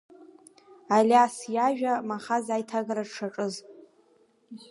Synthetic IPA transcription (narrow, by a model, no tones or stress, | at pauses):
alʲasjaʒᶣamaχazajtʰaɡaɾaʈ͡ʂʰaʈ͡ʂʼɨz